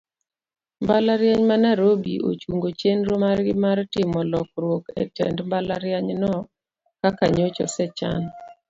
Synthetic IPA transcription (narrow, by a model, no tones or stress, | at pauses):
mbalaɾjaɲmanaɾobḭʔo̰t͡ʃuŋɡot͡ʃenɾomarɡɪmartɪmɔlɔkɾwokɛ̰tɛ̰ndmbalaɾjaɲnɔ | kakaɲot͡ʃɔ̰sɛt͡ʃa̰n